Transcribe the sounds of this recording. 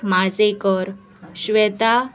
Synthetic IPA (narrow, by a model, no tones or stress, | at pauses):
mad͡zekəɾ | ɕʋɛt̪a